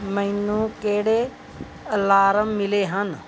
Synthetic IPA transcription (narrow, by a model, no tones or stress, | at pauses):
məinũːkeːɽe | əlaːɾəmːɪleːɦən